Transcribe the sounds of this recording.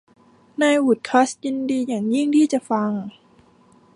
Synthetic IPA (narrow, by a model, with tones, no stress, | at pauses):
naː˧jwu˨˩t̪̚kʰa˦˥sji˧ndiː˧jaː˨˩ŋji˥˩ŋt̪ʰiː˥˩t͡ɕa˨˩fa˧ŋ